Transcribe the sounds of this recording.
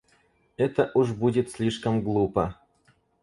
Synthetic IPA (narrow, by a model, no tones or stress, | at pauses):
ɛt̪əʔuʐbudʲɪt̪sʲlʲiʂkəmɡlˠupə